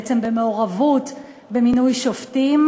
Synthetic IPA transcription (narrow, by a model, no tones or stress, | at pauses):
t͡sembe̞meoʁavut | beminujʃoftim